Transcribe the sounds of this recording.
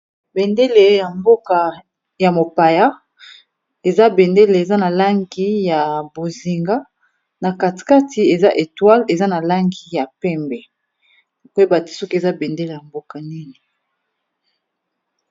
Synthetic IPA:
bɛ˨nde˦le˨ja˨mbo˦ka˨ | ja˨mo˨pa˨ja˦ | e˨za˦bɛ˨nde˦le˨e˨za˦na˨la˦ŋɡi˦ja˨bo˨zi˨ŋɡa˦ | na˨ka˨ti̥˨ka˦ti˨e˨za˦ʔe˨twa˦le˨za˦na˨la˦ŋɡi˨ja˨pɛ˦mbɛ˨ | kwba˨ti̥˨so˦ke˨za˦bɛ˨nde˦le˨ja˨mbo˦ka˨ni˦ni˨

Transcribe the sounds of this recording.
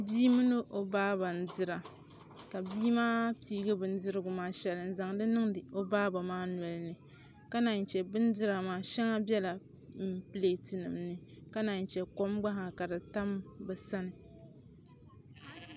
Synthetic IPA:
biː˦mɨ˦nɨ˦ʔo˨baː˦ba˨n̩˨dɨ˦ɾa˨ | ka˨biː˦maː˦piː˦ɡɨ˦bɨ˨n˦dɨ˦ɾɨ˦ɡʊ˨maː˦ʃɛ˨lɨ˨n̩˨za˨ŋdɨ˦nɨ˦ŋɨ˨o˦baː˦ba˨maː˦nʷ˨ɔ˨lnɨ˨ | ka˦na˨n˨t͡ʃɛ˨bɨ˦n˦dɨ˦ɾa˨maː˨˦ʃɛ˦ŋa˦bʲɛ˦la˨ | m̩˦pɨ˦le˨˦˨tɨ˨nɨ̰˨mnɨ˦ka˦na˨n˨t͡ʃɛ˨ko˦mɡ͡ba˦ɦa˨ka˨dɨ˨ta˦mbɛ˨sa˦nɨ˨

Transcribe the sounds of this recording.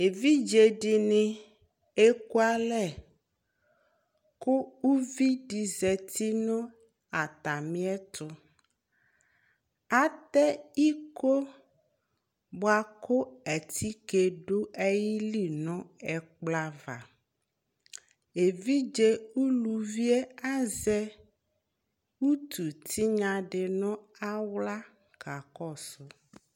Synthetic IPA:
e˨vi˦d͡ʒe˨ɖi˨nĩ˦ | e˦ko˦a˦lɛ˦˨ | ko˦u˦vi˦ɖi˨zɛ˨t̪ʰi˦nɔ̃˦ | a˨t̪a˨mĩ˦ɛ˦t̪ʊ˦ | a˦t̪ɛ˦i˦ko˦ | bo˦a˦ko˦ɛ˨t̪ʰi˦ke˨ɖo˦e˦ji˦li˦nɔ̃˦ɛ˨k͡pla˦va˨ | e˨vi˦d͡ʒe˦wu˦lu˨vi˦e˦a˦zɛ˦ | wu˦t̪u˨t̪ʰi˦ɲã˨ɖe˨nɔ̃˦a˦wla˦ | ka˨kɔ˦˨sʊ˦

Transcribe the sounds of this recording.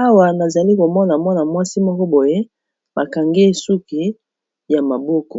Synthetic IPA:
a˦wa˨na˨za˨li˦ko˨mɔ˦na˨mɔ˦na˨mwa˦si˦mɔ˦kɔ˦bo˨je˦ | ba˨ka˨ŋɡe˦˨su˦ke˨˦ | ja˨ma˨bɔ˦kɔ˨

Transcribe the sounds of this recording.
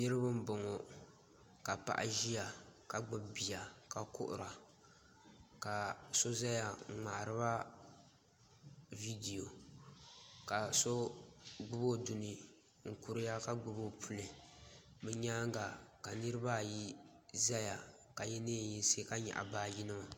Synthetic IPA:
nɨ˦ɾɨ˦ba˦m̩˦bo˨ŋɔ˨ | ka˨pa̰˨ʔa̰˨ʒi˦ja˨ka˨ɡ͡bɨ˦bbi˨ja˨ka˨kʊ̰˦ʔʊ̰˨ɾa˨ | ka˨so˦za˦ja˨ŋ̩˨ŋ͡ma˨ʔɾɨ˦ba˦ | vi˦di˨jo˨ | ka˨so˦ɡ͡bʊ˦bo˦du˨nɨ˨ | ŋ̩˨ku˨ɾɨ˦ja˦ka˦ɡ͡bʊ˦bo˦pʰu˨lɨ˨ | mɨ˦ɲaː˦ŋ˦ɡa˨ka˨nɨ˦ɾɨ˦ba˦˨ji˦ | za˦ja˨ | ka˨jɛ˦neː˦˨ji˦˨˦se˦ka˦ɲa̰˨ʔa̰˨baː˦ji˦nɨ˦ma˨

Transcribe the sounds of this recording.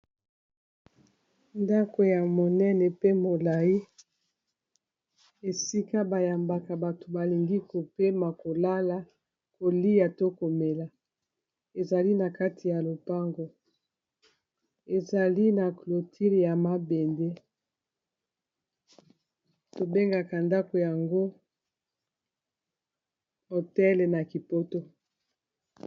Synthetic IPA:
nda˦ko˨ja˨mo˨nɛ˦nɛ˨pe˦mo˨la˨ji˦ | e˨si˦ka˦ba˨ja˨mba˨ka˨ba˨to̥˨ba˨li˨ŋɡi˦ko˨pe˦ma˨ko˨la˦la˨ | ko˨li˦ja˨to˦ko˨me˨la˨ | e˨za˨li˦na˨ka˦tʰi˨ja˨lo˨pa˦ŋɡo˨ | e˨za˨li˦na˨klo˨tʰi˦lja˨ma˦be˨nde˦ | to˨be˦ŋɡa˨ka˨nda˦ko˨ja˨ŋɡo˦ | ho˨tɛ˦lna˨ki˨po˦to˦

